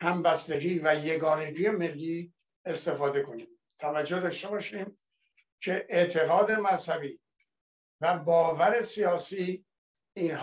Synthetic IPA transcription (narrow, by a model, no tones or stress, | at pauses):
hæmbæst̪eɡiːvæje̞ɡɒːne̞ɡiːje̞me̞lːiː | e̞st̪e̞fɒːd̪e̞kʰo̞niːm | t̪ʰævæd͡ʒːo̞hd̪ɒːʃt̪e̞bɒːʃiːm | kʰe̞ʔeʔt̪ʰe̞ɣɒːd̪e̞mænzhæbiː | væbɒːvæɾe̞sijɒːsiː | nh